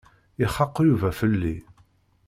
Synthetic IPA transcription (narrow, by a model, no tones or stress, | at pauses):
iχɑqːjuvæfəlːi